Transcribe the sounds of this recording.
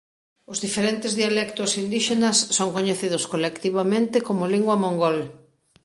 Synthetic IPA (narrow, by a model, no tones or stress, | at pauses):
ʊzðifeɾent̪ɪzðialɛkt̪ʊsind̪iʃenɐsːoŋkoɲeθiðʊskolekt̪iβamẽnt̪ɪkomʊliŋɡwɐmõŋɡol